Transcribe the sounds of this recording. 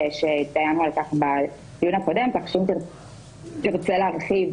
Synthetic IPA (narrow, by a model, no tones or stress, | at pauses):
eʃet̪ajanualkaχba | ijunako̞de̞mt̪aχʃumt̪i | t̪iʁt͡seleaʁχiv